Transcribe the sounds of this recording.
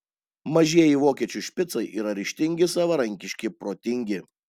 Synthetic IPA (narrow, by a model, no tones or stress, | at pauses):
mɐʒʲiɛjiʋoːkʲiɛt͡ʃʲʊʃʲpʲɪt̪sɐɪʔiːɾɐɾʲɪʃʲt̪ʲɪŋʲɡʲɪsɑːʋɐɾɐŋʲkʲɪʃʲkʲɪpɾoːt̪ʲɪŋʲɡʲɪ